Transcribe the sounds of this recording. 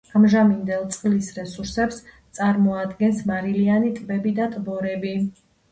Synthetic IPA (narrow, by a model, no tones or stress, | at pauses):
amʒamind̪ɛlˠt̪sʼqʼlisɾɛsuɾsɛpst̪sʼaɾmɔad̪ɡɛnsmaɾilianit̪ʼbɛbid̪at̪ʼbɔɾɛbi